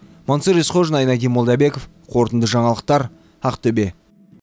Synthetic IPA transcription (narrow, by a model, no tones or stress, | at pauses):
monsəɾesqoʒnɑjnɑɡʲimolˠd̪ɑbe̞kof | qʰo̞ɾt̪ənd̪əʒɑɴɑlˠəq̚t̪ɑɾ | ɑqt̪ɵbe̞